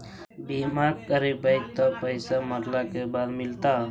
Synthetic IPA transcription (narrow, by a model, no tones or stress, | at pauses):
bimaɾkəɾibəɪk̚t̪apəɪsaməɾlakebaːd̪mɪlt̪a